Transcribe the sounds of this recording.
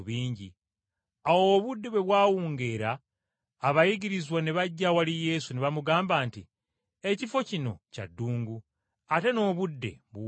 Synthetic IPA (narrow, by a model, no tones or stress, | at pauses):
βiːɲɟi | awoβudːe̞βwe̞βwaːwuːŋɡe̞ːɾaː | βajiɡiɾizwaneβaɟːawalije̞ːsuneβamuɡaːmbaːnti | e̞cifo̞cino̞̰ca̰dːuːŋɡu | ate̞no̞ːβudːe̞̰βu